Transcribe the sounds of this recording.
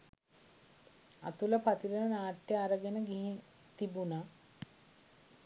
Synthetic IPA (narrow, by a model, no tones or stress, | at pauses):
a̰t̪uləpat̪iɾənənaːʈjəaɾəɡenəɡiɦi | t̪ibuna